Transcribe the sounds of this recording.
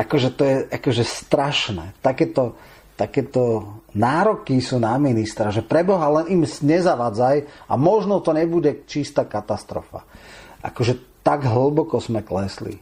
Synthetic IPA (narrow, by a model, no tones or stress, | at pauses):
ʔakɔʒɛt̪ɔjɛʔakɔʒɛst̪ɾaʃnɛ̰ːt̪akɛːt̪ɔ | t̪akɛːt̪ɔnaːɾɔkisuːnaminist̪ɾaʒɛpɾɛbɔɦalɛnimzɲɛzaʋaːd͡zaja̰mɔʒnɔt̪ɔɲɛbuɟɛt͡ʃist̪aːkat̪ast̪ɾɔ̰fa̰ʔa̰kɔʒɛt̪aɡɦl̩bɔkɔzmɛklɛslḭ